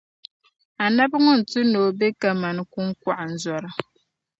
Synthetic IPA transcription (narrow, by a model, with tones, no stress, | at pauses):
a˨na˦bŋɔ˦n̩˨tu˦noː˨bɛ˦ka˨ma˨nɨ˨ku˦ŋ˦kʷa˨ʔa˨n̩˨zɔ˨ɾa˨